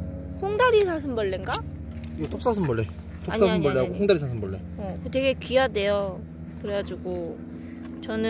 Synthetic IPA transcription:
hoŋdaɾisʰas̬ʰɯnbʌɭːenɡa | iɡet͈op̚s͈asʰɯnbʌɭːe | t͈ʰoaɲs͈asʰɯmbʌːeɦaɡohoŋdaɾisʰasʰɯmbʌɭːe̞ | ʌkɯte̞ɡe̞kijade̞jo | kɯɾeɡad͡ʑuɡo | t͡ɕʌnɯ

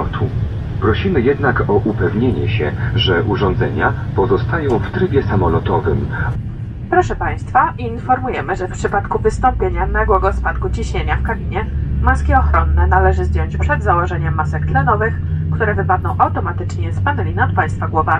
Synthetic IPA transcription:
t̪ʰu | pɾɔɕimɘjɛd̪nakɔʔupɛvɲeɲɛ̰ɕɛ̰ʐɛʔuʐɔnzɛɲapɔzɔst̪ajɔ̃w̃ft̪ɾɘbʲjɛsamɔlɔt̪ɔvɘm | pɾɔʂɛpaj̃st̪faʔiinfɔɾmujɛmɘʐɛfpʂɘpat̪kuvɘst̪ɔmpʲjeɲanaɡwɔɡɔspat̪kut͡ɕiɕɲeɲafkabʲiɲɛmaskʲiɔxɾɔnːɛnalɛʐɘzd͡ʑjɔɲt͡ɕpʂɛd̪zawɔʐɛɲɛmːasɛkt̪lɛnɔvɘxkt̪uɾɛvɘpad̪̚nɔ̃w̃ʔawt̪ɔmat̪ɘt͡ʂɲɛspanɛlʲinat̪̚paj̃st̪faɡwɔvamʲi

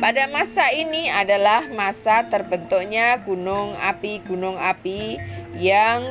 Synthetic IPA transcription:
padamasainiadalahmasat̪ərbənt̪uk̚ɲaɡunʊŋa̰piɡunʊŋapijaŋ

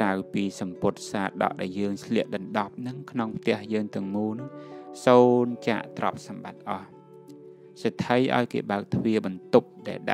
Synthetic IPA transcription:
krawpiːsɑmpʊ̆ət̪̚saːt̪̚ɗɑ̰ʔɗaɛljəːŋsʰliəʔ̚ɗɑnɗɑp̚nɨŋkʰnoŋpʰt̪ɛ̆əhjəːŋt̪ɨ̆əŋmuːlnɨŋsoːnt͡ɕa̰ːʔt̪rɑ̰p̚sɑmɓat̪̚ʔɑh | sat̪ʰːəjʔa̰ɔjkḛːɓaək̚t̪ʰʋiəɓɑnt̪up̚ɗaɛlɗa̰ʔ

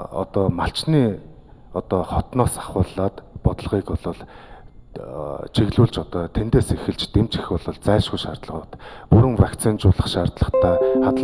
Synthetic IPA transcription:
ɔ̰t̪ɔːmaɬt͡ɕniː | ɔt̪ɔːχɔt̪nɔːsaχʊːɮaːt̪pɔt̪ə̆ɮʁiːkɔɮʊ̆ɮ | t͡ɕʰiɣɮuːɮt͡ɕɔt̪ɔːt̪ʰent̪eːsexɘ̆ɮt͡ɕt̪em̥t͡ɕĭ̥xɔɮʊ̆ɮt͡sæːʃɡujʃaːrt̪ɮə̆ʁt̪puɾɘ̆ŋwakt͡sʰint͡ɕʊːɮə̆χʃaːrt̪ɮə̆χt̪ʰæːχat̪ə

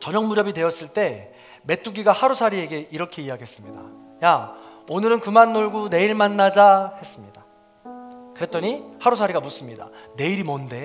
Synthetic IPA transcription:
t͡ɕʌɲʌŋmuɾjʌbidwe̞jʌs͈ɯɭt͈e̞ | me̞t͈ʰuɡiɡahaɾusʰaɾie̞ɡe̞iɾʌkʰe̞iaɡiɦes͈ɯmɲida̰ | jaonɯɾɯnkɯmanːoɭɡune̞iɭmanːad͡ʑahe̞s͈ɯmɲida | kɯɾe̞t͈ʌɲihaɾusʰaɾiɡamus͈ɯmɲida̰ne̞iɾimʌnde̞

